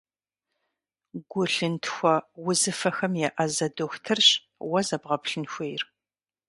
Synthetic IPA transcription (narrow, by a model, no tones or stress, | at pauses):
ɡʷʊɬɨntʰxʷɔwʊzɨfɐxɐmjɛʔɐzɐdoxʷtʰɨrɕ | wɐzɐbʁɐpɬɨnxʷeːjr